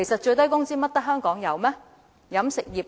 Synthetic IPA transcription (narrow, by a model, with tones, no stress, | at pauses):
e˨˩jsɐ˨t̚t͡ʃɵ˧ɥt̪ɐ˥jkʊ˥ŋt͡siː˥mɐ˥t̚t̪ɐ˥k̚ɦœː˥ŋkɔː˨˥ŋjɐ˨˧wmɛː˥ | jɐ˨˥msɪ˨k̚jiː˨˩p̚